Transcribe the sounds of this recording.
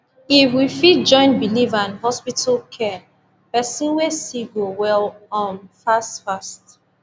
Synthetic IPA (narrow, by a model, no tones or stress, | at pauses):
ifwifit̚d͡ʒɔ̃ɪ̃nbilivãnhɔspitʰalkʰɛ | pɛsĩnwesiɡowɛlɔ̃nfastfast